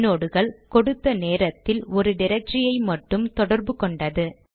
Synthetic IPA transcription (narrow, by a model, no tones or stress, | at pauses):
noːɽɯɣɐɭkɔɽɯt̪ːɐneːɾɐt̪ːɪlɔɾɯnɪɾɐt͡ʃːɪjɐɪmɐʈːɯmt̪ɔɽɐɾbɯkɔɳɖɐðɯ